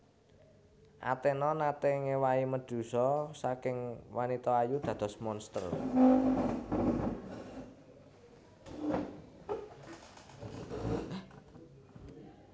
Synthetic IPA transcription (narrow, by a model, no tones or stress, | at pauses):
ʔa̰t̪enɔnat̪eŋewaiməd̪̥ṳsɔsakɪŋwanit̪ɔajud̪̥ä̤d̪̥ɔ̤smɔnst̪ər